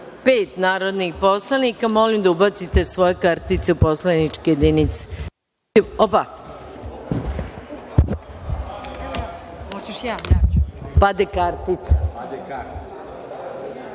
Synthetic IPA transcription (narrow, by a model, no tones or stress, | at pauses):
peːt̪naːɾo̞d̪nixpo̞slˠanikamo̞limd̪aubat̪sit̪e̞sʋo̞jekaɾt̪it̪seupo̞slanit͡ʃkejed̪init̪se̥ | iopa | hot͡ɕeʃjajapad̪ekaɾt̪it̪sḁ